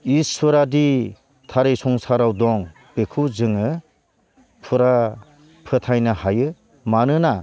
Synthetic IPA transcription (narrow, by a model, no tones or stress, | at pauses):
isɔɾadi | tʰaɾesɔŋsaɾawdɔŋ | bekʰuzɯŋɯ | pʰuɾa | pʰɯtʰajnahajɯ | manɯna